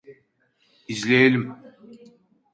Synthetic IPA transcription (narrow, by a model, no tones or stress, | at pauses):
izlʲejelʲim